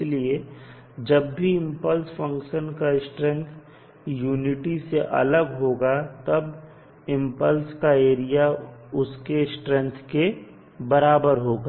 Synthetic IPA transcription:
lie | d͡ʒɐbːʱiɪ̃mpəlsfʰə̃ŋkʃənkaɪsʈɾɛ̃nt̪ʰ | juːnɪʈiseʔɐ̰ləɡɦoːɡat̪əb | ɪ̃mpəlskaeːɾijaʊskesʈɾɛ̃nt̪ʰke | bəɾaːbəɾɦoːɡa

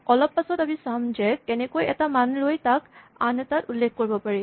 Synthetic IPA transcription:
kɔlɔpːasɔtamisamzɛkɛnɛkojɛtamanlojtakanɛtatulːekʰkoɹibɔpaɹi

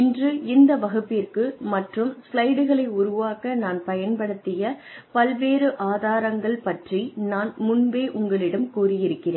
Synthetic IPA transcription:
ɪndrɯɪnd̪ɐʋɐɣɯpːiːrkɯmɐʈrɯmslɐɪɽɯɣɐɭɐɪʊɾʊʋaːkɐnaːnpɐjɐnpɐɽɯt̪ːɪjɐpɐlʋeːɾɯʔaːðaːɾɐŋɡɐɭpɐʈrinaːnmʊnbeːʔʊŋɡɐɭɪɽɐmkuːrɪjɪɾɯkːɪreːn

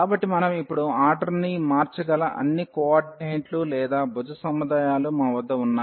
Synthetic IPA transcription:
aːbɐʈːimɐnɐmipːuɽuaːɾɖɐɾnimaːɾt͡ʃɐɡɐlɐʔɐ̰nːikɔaɖnejɳʈlulɛːd̪aːbʱud͡ʒɐsɐmːud̪aːjaːlumɐnɐʋɐd̪ːɐunːaː

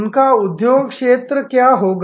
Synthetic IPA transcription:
nkaud̪joɡkʂet̪ɾəkjaɦoɡ

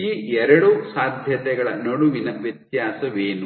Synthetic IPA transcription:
iːɛɾɐɽusaːd̪ʱjɐt̪ɛɡɐɭɐnɐɽuʋinɐʋjɐt̪jaːsɐʋeːnu

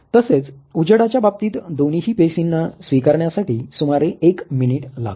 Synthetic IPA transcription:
t̪əset͡sud͡ʑəɽat͡ɕjabab̚t̪iːt̪d̪oniɦiːpesinːasʋikaɾɳjasaʈiːsumaɾeʔekminiʈla̰ɡ

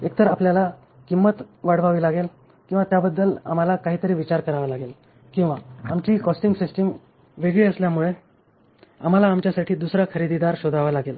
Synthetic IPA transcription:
ek̚t̪əɾapljala | kimːət̪ʋaɽ̤ʋaʋiːlaɡel | kĩw̃ʋat̪jabəd̪ːəla̰m̤alakaɦiːt̪əɾiːʋit͡ɕaɾkəɾaʋalaɡel | kĩw̃ʋaamt͡ɕiːkɔsʈiŋɡsisʈəm | ʋeɡɭiːəsljamuɭe | a̰m̤alaːmt͡ɕjasaʈʰiːd̪usɾakʰəɾid̪id̪aɾɕod̪ʱaʋalaɡel

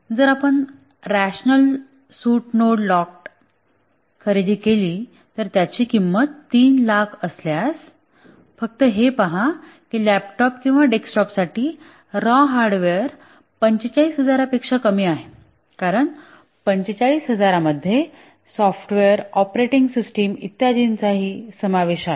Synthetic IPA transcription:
d͡zəɾapəɳ | ɾæɕnəl | suːʈnoɽlɔk | kʰːəɾid̪iːkeliː | t̪əɾt̪jat͡ɕiːkimːət̪ːiːnlakʰəsljas | fək̚t̪əɦepaɦa | kiːlæpʈɔp̚kĩw̃ʋaɖeksʈɔpsaʈʰiː | ɾɔ̃ɦaɾɖʋeɾ | pəɲt͡ɕet͡ɕaɭiːsɦəd͡zaɾapekʂakəmiːaɦe | kaɾəɳ | pəɲt͡ɕet͡ɕaɭiːsɦəd͡zaɾaməd̪ʱːje | sɔfʈʋeəɾɔpɾeʈiŋɡsisʈemḭt̪jad̪int͡saɦiːsəmaʋeɕaɦe

